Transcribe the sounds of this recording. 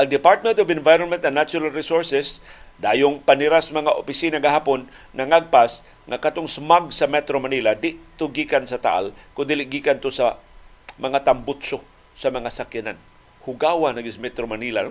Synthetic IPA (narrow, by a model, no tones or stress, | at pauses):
ʔɐŋd̪ɪpaɹt̪̚mɛnt̪ovɪnvajɾonmɛnt̪ɐnat͡ʃʊɾalɾisoɹsɛsd̪aːjʊŋpanɪɾasmɐŋaʔopɪsinaɡaɦaːponː | ɐŋaɡ̚pas | ŋakat̪oŋsmaɡ̚sɐmɛt̪ɾomanilad̪ɪʔt̪oɡikansɐt̪a̰ʔa̰lkʊŋd̪ilɪʔɡiːkant̪osa | mɐŋat̪ambʊt̪so | sɐmɐŋasakjanan | hʊɡaːwanɐɡɪsmɛt̪ɾomanila̰n